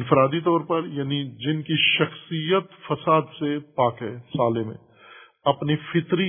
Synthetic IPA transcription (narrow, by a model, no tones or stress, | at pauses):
nfɾaːd̪it̪ɔːɾpɐɾjaːnid͡ʒɪnkiʃɐxsijət̪fɐsaːd̪sepaːkɦɛːsaːlemḛ̃ | ɐpnifʰɪt̪ɾi